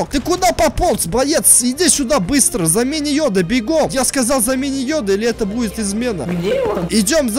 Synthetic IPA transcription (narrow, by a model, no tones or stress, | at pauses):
k̪ɨkʊd̪apɐpolˠsbɐjet̪sɪd̪ʲisʲʊd̪abɨst̪ɾəzɐmʲenʲɪjod̪əbʲɪɡomjaskɐzɑlˠzɐmʲenʲɪjod̪əilʲɪɛt̪əbudʲɪt̪ɪzmʲe̞nə̰ɪdʲo̞mz